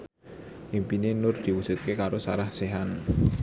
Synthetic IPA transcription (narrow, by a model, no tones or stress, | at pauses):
ʔimpinenʊrd̪̥i̤wud̥ʒ̥ṳt̪̚kekaɾosaɾahseɦan